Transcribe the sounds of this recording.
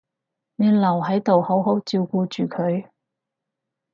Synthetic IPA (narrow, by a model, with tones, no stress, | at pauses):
ne˨˧lɐ˨˩wɦɐ˨˥jt̪o˨who˨˥wɦo˨˥wt͡siː˧wkuː˧t͡ʃyː˨˩kʰɵ˨˧ɥ